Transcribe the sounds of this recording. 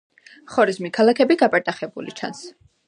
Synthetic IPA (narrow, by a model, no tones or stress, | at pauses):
χɔɾizmikʰalˠakʰɛbiɡapʼaɾt̪ʼaχɛbṵlḭt͡ʃʰa̰ns